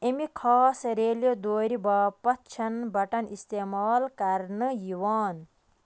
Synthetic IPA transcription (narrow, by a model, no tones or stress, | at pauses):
emikʰɔːsɾeːlijod̪oːɾibɐpɐt̪̚t͡ʃʰɐnbɐʈɐnist̪eːmaːlkɐɾnɨjiwaːn